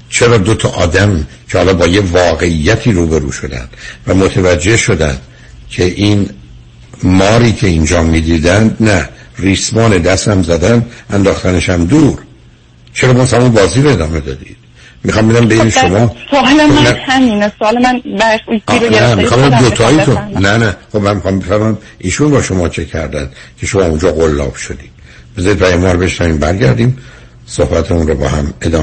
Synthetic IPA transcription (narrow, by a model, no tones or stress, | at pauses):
t͡ʃʰeɾɒːd̪ot̪ʰɒʔɒ̰ːd̪æm | cʰehɒːlɒːbɒːjevɒːɣe̞ijːæt̪ʰiːɾuːbeɾṵːʃo̞d̪æ̰nd̪̥væmot̪ʰevæd͡ʒːehʃo̞d̪æ̰nd̪̥ | cʰeʔin | mɒːɾiːcʰe̞ind͡ʒɒːmiːd̪iːd̪ænd̪næriːsmɒːne̞d̪æst̪æmzæd̪ænd̪ʔænd̪ɒːxt̪ʰæneʃæmd̪uːɾ | t͡ʃʰeɾɒːbɒzshæmunbɒːziːɾoe̞d̪ɒːme̞d̪ɒ̰ːd̪ḭːd̪̥̚ | mixɒːmbe̞d̪æmbe̞jineʃomɒːsoɒlenæhæmiːnesoɒːlemænbæusenæmixɒmbeæmd̪ot̪ʰɒːjit̪unnænæxobmænmixɒːmbefæɾmæm | ʔiːʃunbɒːʃo̞mɒːt͡ʃʰe̞cʰæɾd̪ænd̪̥cʲʰe̞ʃomɒːund͡ʒɒːɣolːɒ̰ːb̥ʃod̪iːd̥ | b̥ezɒːid̪pʰæjemɒːɾbe̞ʃnæviːmbæɾɟæɾd̪iːm | sohbæt̪ʰeunrɔbɒ̰ːhæme̞d̪ɒ̰ː